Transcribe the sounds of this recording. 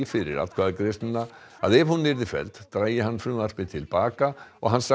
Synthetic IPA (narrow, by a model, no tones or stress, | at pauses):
fɪɾɪ̰ɾa̰t̪kʰvaːðkɾɪst̪nɪna | aðɛvhunːɪɾðɪfɛ̰lt̪t̪ɾaːjɪɦanːfɾʏːmaspɪt̪ʰɪlpaːkaɔɣɦanːsa